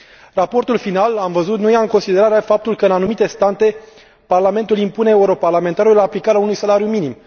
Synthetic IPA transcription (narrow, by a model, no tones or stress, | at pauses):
rapo̞rt̪ulfinalamvəzut̪nujaɨŋko̞nsid̪e̞ɾaɾeafap̚t̪ulkəɨnanumit̪e̞st̪ant̪e̞ | parlame̞nt̪ulimpune̞euɾo̞parlame̞nt̪aɾullaːplikaɾeaunujsalaɾijuminim